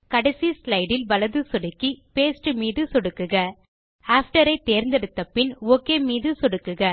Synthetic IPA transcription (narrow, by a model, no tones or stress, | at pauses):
kɐɽɐɪsislɐɪɽɪlʋɐlɐðɯsɔɽɯkːipeːsʈɯmiːðɯsɔɽɯkːɯɣɐ | aːfʈɐɾɐɪt̪ːeːɾnd̪ɛɽɯt̪ːɐpːɪnoːkːeːmiːðɯsɔɽɯkːɯɣɐ